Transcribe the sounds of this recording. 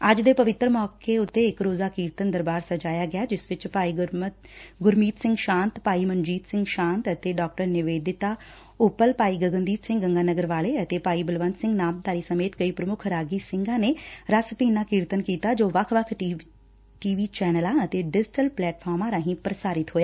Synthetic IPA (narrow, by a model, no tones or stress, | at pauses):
əd͡ʒd̪eːpəʋɪt̪ːɾəmɔːkeːʊt̪ːeːɪkɾoːzaːkiːɾt̪ənd̪əɾbaːɾsəd͡ʒaːjaːɡɪaːd͡ʒɪsʋɪt͡ʃaːi | ɡʊɾmiːt̪sɪ̃ŋɡʃãːnt̪paːiːmənd͡ʒiːt̪sɪ̃ŋɡʃãːnt̪ət̪eːɖɔːk̚ʈəɾnɪʋeːd̪ɪt̪aː | ʊpəlpaːiːɡəɡənd̪iːpsɪ̃ŋɡəŋɡaːnəɡəɾʋaːleːət̪eːpaːiːbəlʋənt̪sɪ̃ŋɡnaːmt̪aːɾiːsəmeːt̪kəiːpɾəmʊkʰɾaːɡiːsɪ̃ŋɡãːneːɾasəpiːnãːkiːɾt̪ənkiːt̪aːd͡ʒoːʋəkʰʋəkʰ | ʈiːʋiːt͡ʃɛːnəlãːət̪eːɖɪd͡ʒɪʈəlplɛːʈpʰɔːɾmãːɾaːɦĩːpɾəsaːɾɪt̪ɦoːjaː